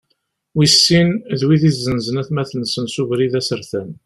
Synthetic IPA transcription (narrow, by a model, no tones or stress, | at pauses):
wisːinðwiðiθzːənzənæθmæθənsənsuvɾiðæsəɾθən